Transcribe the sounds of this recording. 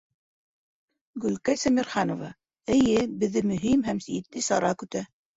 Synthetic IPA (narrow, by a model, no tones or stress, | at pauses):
ɡɵ̆lkæsæmiɾχɑnovɑ | ɘ̆jɘbɘ̆ðːɘmɵ̆ɦimɦæmsiɘt̪̚ːisɑɾɑkɵ̆t̪æ